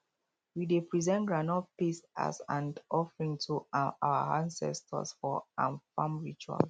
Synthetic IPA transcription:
widepɹizɛ̃nɡɹãnɔpisa̰sãndɔfɹĩŋtʰuʔa̰wa̰ãnsɛ̰stʰə̰sfɔãnfãmɹit͡ʃua̰l

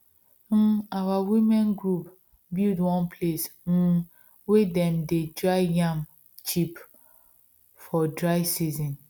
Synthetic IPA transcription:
m̩awawimɛ̃nɡɹup | bildwɔ̃npʰlesm̩ | wedɛ̃mdedɹaɪjãm | t͡ʃip | fɔdɹaɪsizɔ̃n

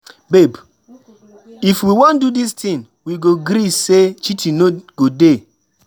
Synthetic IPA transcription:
beb | ifwiwɔ̃ndudistʰĩn | wiɡoɡɾiset͡ʃitʰĩnoɡ̥ode

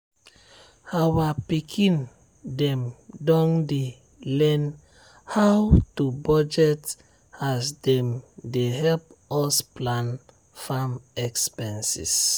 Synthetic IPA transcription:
awapikʰĩn | dɛ̃mdɔ̃nde | lɛn | hawtubɔd͡ʒɛt | asdɛ̃mdeɦɛlp̚ɔsplãn | famɛkspɛ̃nsḭs

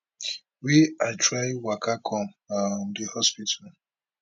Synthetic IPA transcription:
wiaɪtɾaɪwakʰakʰɔm | amdihɔspitʰal

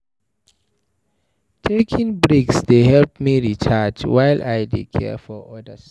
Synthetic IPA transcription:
tʰekʰĩŋbɹiksdehɛlp̚miɹit͡ʃʰad͡ʒwajlajdḛkʰɛ̰fɔɔdəs

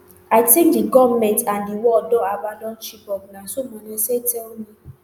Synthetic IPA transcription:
aɪtĩk̚diɡɔvmɛ̃ntãndiwɔdɔabadɔ̃nt͡ʃibɔk̚nasomɔ̃nɛsetʰɛlmĩ

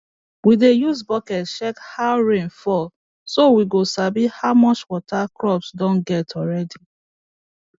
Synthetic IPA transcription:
widejuzbɔkɛtʃɛkhaʊɹẽnfɔ | sowiɡosabihaʊmɔt͡ʃwɔtʰakɹɔpsdɔ̃nɡɛtʰɔɹɛdi

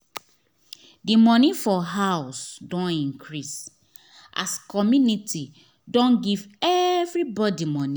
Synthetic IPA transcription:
dimɔ̃nifɔɦaʊsdɔ̃nĩŋkʰɹis | ʔa̰skʰɔmjunitʰi | dɔ̃nɡivɛvɹibɔdimɔ̃ni

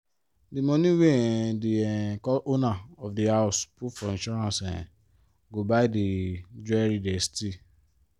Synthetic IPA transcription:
demɔ̃nĩwedeɛkɔʔonaɔfdihaspufɔĩʃɔɾãsɛ̰̃ | ɡobaided͡ʒɛɾidɛsti

